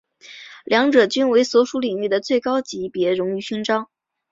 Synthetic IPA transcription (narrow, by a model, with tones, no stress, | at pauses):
ljɑ˧˥ŋʈ͡ʂɤ˨˩t͡ɕy˥nwe˧˥ɪswɔ˧˥ʂu˧˥li˨˩ŋy˥˩d̪ə˩t͡swe˥˩ɪkɑ˥ʊt͡ɕi˧˥pjɛ˧˥ɻʊ˧˥ŋy˨˩ɕy˥ŋʈ͡ʂɑ˥ʊ